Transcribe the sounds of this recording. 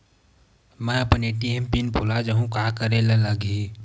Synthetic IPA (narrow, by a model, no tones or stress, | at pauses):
mɛ̃ɐpneʈiempinbʱolad͡ʒəɦũkaːkəɾeleləɡʱi